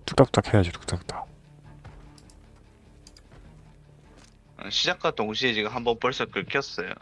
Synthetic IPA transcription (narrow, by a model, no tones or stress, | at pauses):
t͈uk̚t͈ap̚t͈akhejad͡ʑutu̥k̚t͈ak̚t͈ḁ | ɕʰid͡ʑak͈ʰatoŋɕʰiet͡ɕiɡɯɦambʌnpoɭs͈ʌkɯɭkʰijʌs͈ʌjo̰